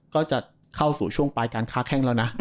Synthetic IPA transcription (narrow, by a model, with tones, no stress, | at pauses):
kɔː˥˩t͡ɕa˨˩ | kʰa˥˩wsuː˨˩t͡ɕʰu˥˩əŋpaː˧jkaː˧nkʰaː˦˥kʰɛ˥˩ŋlɛ˦˥wna˦˥